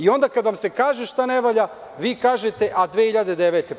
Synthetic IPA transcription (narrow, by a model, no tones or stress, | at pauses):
io̞nd̪akad̪ʋamse̞kaːʒeʃt̪aneʋoʎa | ʋiːkaːʒet̪e̞ʔad̪ʋeːhiʎad̪ed̪eʋet̪e